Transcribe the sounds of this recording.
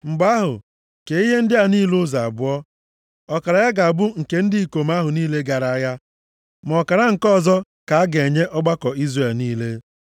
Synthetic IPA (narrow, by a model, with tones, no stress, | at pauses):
ŋ͡m̩˨ɡ͡ba˦ɦʊ̰˨ | ke˨i˦ɦe˦n̩˦dɪ˦a˨niː˦lʊ˦za˨a˨bʊ˦ɔ˦ | ɔ˦ka˨ɾa˨ja˦ɡa˨a˨bʊ˦ŋ̩˨ke˦n̩˦di˦i˨ko˨m˦a˦ɦʊ˨niː˦le˦ɡa˨ɾa˨˦ja˦ | m˨ɔ˨ka˨ɾa˦ŋ̩˨kɔ˦˨zɔ˦ | ka˨a˦ɡe˨ɲe˦ʔɔ˦ɡ͡ba˦kɔ˨i˦zre˨lniː˦le˦